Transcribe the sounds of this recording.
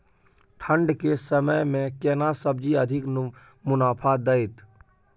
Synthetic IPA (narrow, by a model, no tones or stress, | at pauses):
ʈʰə̃ɳɖkesəməjmẽkɛːnasəb̚d͡ʒiəd̪ʱɪk | mʊnaːpʰad̪əɪt̪